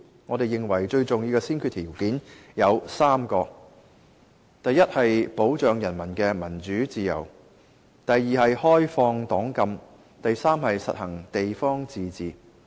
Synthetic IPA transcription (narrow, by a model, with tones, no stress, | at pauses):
ŋɔː˨˧d̪e˨jːɪ˨ŋwɐ˨˩jt͡ʃɵ˧ɥt͡sʊ˨ŋjiː˧wkɛː˧siː˥nkʰy˧t̪ʰiː˨˩wkiː˨˥njɐ˨˧wsaː˥mkɔː˧ | t̪ɐ˨jːɐ˥t̚hɐ˨jpo˨˥wt͡ʃœː˨ŋjɐ˨˩nmɐ˨˩nkɛː˧mɐ˨˩nt͡ʃyː˨˥t͡siː˨˧jɐ̰˨˩w | t̪ɐ˨jːiː˨hɐ˨jhɔː˥jfɔː˧ŋt̪ɔː˨˥ŋkɐ˧m | t̪ɐ˨jsaː˥mhɐ˨jsɐ̰˨t̚hɐ˨˩ŋt̪e˨jfɔː˥ŋt͡siː˨t͡siː˨˩